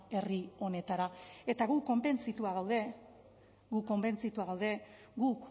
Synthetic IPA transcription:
e̞rio̞ne̞t̪aɾae̞t̪aɣuko̞mbe̞nt͡sit̪uaɣ̞awðe̞ | ɡukːo̞mbe̞nt͡sit̪uaɣawðe̞ | ɡuk

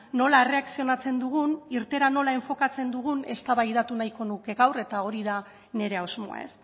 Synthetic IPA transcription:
no̞laere̞aksio̞nat͡se̞nd̪uɣ̞uniɾt̪e̞ɾano̞lae̞ɱfo̞kat͡se̞nd̪uɣ̞une̞st̪aβaiðat̪unajko̞nuke̞ɣawre̞t̪ao̞ɾiða | ne̞ɾe̞awzmo̞̰a̰e̞s

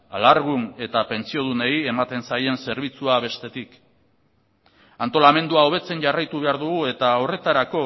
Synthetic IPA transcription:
alaɾɣune̞t̪ape̞nt͡sio̞ð̞une̞ie̞mat̪e̞nsaje̞nse̞ɾβ̞it͡suaβ̞e̞st̪e̞t̪ik | ant̪o̞lame̞nd̪uao̞β̞e̞t͡se̞nʝarajt̪uβe̞aɾðuɣue̞t̪ao̞re̞t̪aɾako̞

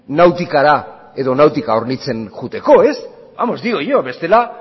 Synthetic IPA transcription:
nawt̪ikaɾa | e̞ðo̞nawt̪ikao̞ɾnit͡se̞nʝut̪e̞ko̞e̞s | amo̞zd̪iɣojoβe̞st̪e̞la

